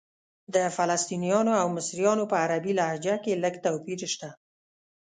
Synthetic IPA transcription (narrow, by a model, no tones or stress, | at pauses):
d̪əfalast̪inijɑnoawmɪsɾijɑnopəaɾabilahd͡ʒakeləɡt̪awpiɾʃt̪a